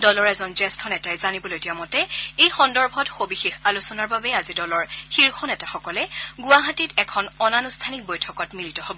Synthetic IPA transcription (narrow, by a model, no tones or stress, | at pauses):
dɔlɔɹɛzɔnzɛstʰɔnɛtajzanibɔloetiamɔtɛejxɔndɔɹbʱɔtxobixexalusɔnaɹbabɛazidɔlɔɹxiɹxɔnɛtaxɔkɔlɛɡʊwaɦatitɛkʰɔnɔnanustʰanik̚bojtʰɔkɔtmilitɔhobɔ